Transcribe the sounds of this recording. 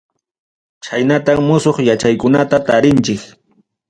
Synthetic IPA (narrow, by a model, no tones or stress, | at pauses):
t͡ʃajnat̪aŋmʊsoχjat͡ʃajkʊnat̪at̪aɾɪnt͡ʃɪk